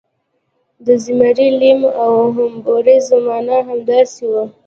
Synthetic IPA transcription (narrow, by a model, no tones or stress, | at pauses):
d̪əzimaɾilimawɦʊmboɾizamɑnaɦamd̪ɑsiwa